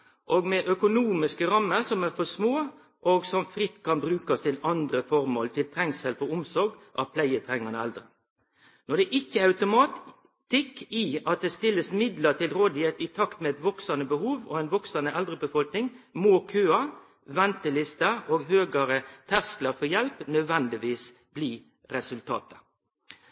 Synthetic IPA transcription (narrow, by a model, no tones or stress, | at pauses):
ʔoːɡmɛʔœkʊnuːmɪskəɾɑmːəɾsɔmæɾfɔsmoː | ʔɔɡsɔmfɾɪt̪ːkʰɑnbɾʉːkɑst̪ʰɪlɑnd̪ɾəfɔɾmo̰ːlt̪ʰɪlt̪ʰɾɛŋsɛlfɔɾʊmsɔɾɡʔɑ̰ʋpʰlæɪət̪ʰɾɛŋːɑnəɛ̰ld̪ɾə | nɔd̪ɛʔɪkːəɑʉt̪ʊmɑːt̪ | t̪ɪkiɑt̪̚d̪ɛst̪ɪlːəsmɪd̪lət̪ʰɪlɾoːd̪ɪheːt̪ɪt̪ʰɑkt̪mɛɛt̪ʋɔksɑnəbəhuːʋoɛɪnʋɔksɑnəʔɛld̪ʁəbəfɔlknɪŋmoːkʰøːɑ | ʋɛnt̪əlɪst̪əoːɡɦøːɡɑɾət̪ʰæsklɑfɔjɛlpnœd̪ʋɛnd̪ɪʋiːs | b̥liː | ʁɛsʉlt̪ʰɑ̰ːt̪ə̥